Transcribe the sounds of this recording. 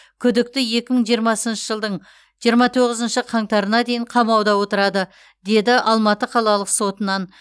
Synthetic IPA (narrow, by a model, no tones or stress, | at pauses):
kʲʰʏd̪ɪk̚t̪ɪje̞kʲɪməɴʒijəɾmɑsənʃəʒəlˠd̪əɴ | ʒijəɾmɑt̪ʰo̞ʁɪzənʃəqʰɑɴt̪ɑɾənɑd̪e̞jɪɴqʰɑmɑwd̪ɑwo̞t̪əɾɑd̪ə | d̪e̞d̪ɪʔɑlˠmɑt̪əqʰɑlˠɑlˠəqso̞t̪ənɑn